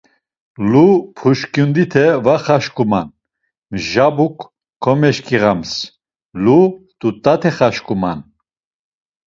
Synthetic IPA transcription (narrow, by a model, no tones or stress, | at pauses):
lupʰuʃkʼjund̪it̪ʰɛvaχaʃkʼuma̰n | mʒabuk | kʰːɔmɛʃkʰʼiʁams | lut̪ʼut̪ʼat̪ʰɛχaʃkʼuma̰n